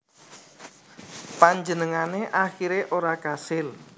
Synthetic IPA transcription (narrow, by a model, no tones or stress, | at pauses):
paɲd͡ʒənəŋaneʔaxiɾeʔoɾakasɪl